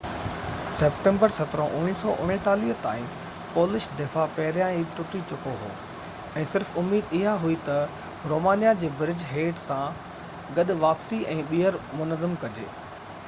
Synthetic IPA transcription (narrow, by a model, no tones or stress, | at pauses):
sɛːpʈẽːmbəɾsɐt̪ɾə̃ʔʊ̃ɦɪnsɔːʔʊnɪ̃t̪aːliːɦt̪a̰ːĩ | poːlɪʃd̪ɪfapɛɦɪɾjãiʈʊʈit͡ɕʊkoɦo̰ː | ɛ̃ːsɪɾfʊmːiːd̪ɪɦaɦuit̪ɐ | ɾoːmaːnijad͡ʑeːbɾɪd͡ʑɦeːʈsã | ɡɐɗʊ̆ʋaːpsiɛ̃ːɓiəɾmʊnəzəmkɐd͡ʑḛː